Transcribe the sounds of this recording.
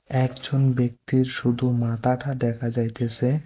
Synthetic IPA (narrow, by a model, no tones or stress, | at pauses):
ɛkd͡ʑonbek̚t̪iɾʃud̪ʱumat̪aʈʰad̪ɛkʰad͡ʑajt̪esʰe